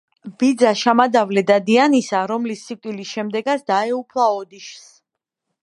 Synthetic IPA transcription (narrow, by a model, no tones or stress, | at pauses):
b̥id̪zaʃamad̪avlɛd̪ad̪ianisaɾɔmlisːikʼt̪ʼilisʃɛmd̪ɛɡat̪sd̪aɛupʰlˠaɔd̪iʃs